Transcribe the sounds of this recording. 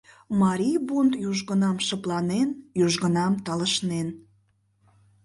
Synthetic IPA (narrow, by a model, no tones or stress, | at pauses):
mɑɾʲibont̪juʒɣənɑmʃəplɑnenjuʒɣənɑmt̪ɑləʃnen